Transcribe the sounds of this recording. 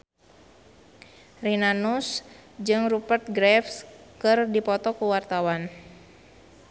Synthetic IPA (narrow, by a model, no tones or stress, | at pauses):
rinanusd͡ʒɨŋrupərt̪̚ɡɾɛfskɨrdipɔt̪ɔkuwart̪awan